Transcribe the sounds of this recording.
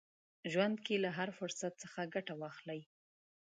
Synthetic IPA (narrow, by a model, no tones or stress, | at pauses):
ʒwand̪kelaɦaɾfʊɾsat̪̚səxaɡaʈawɑxlaj